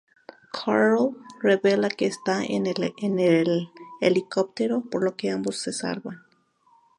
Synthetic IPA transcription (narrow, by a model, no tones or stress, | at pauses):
kʰaɾlreβelakeːst̪aḛnenelelikop̚t̪eɾopoɾlokeambosːesa̰lban